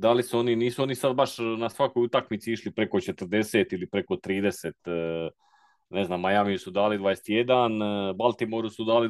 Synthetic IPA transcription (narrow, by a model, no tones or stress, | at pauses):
d̪alisuo̞niniːsuo̞nisad̪̚baʃnasʋako̞jut̪akmit̪siiʃlipɾe̞ko̞t͡ʃe̞t̪rd̪e̞se̞ːt̪ilipɾe̞ko̞t̪ɾiːd̪eset̪ | ne̞znaːmːajamijusud̪aːlid̪vʋaːjese̥t̪jed̪anbalˠt̪imoɾusud̪aːli